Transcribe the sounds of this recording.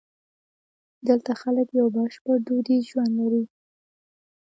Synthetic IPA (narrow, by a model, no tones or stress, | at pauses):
d̪əlt̪axaləkjawbaʃpəɾɖod̪iʒwand̪laɾi